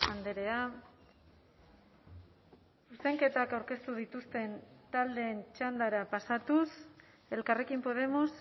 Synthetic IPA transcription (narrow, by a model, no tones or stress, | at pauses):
and̪eɾe̞a | suse̞ŋke̞t̪akawɾke̞st̪uð̞it̪ust̪e̞nt̪ald̪e̞ːnt͡ʃand̪aɾapasat̪us | e̞lkare̞kimpo̞ð̞e̞mos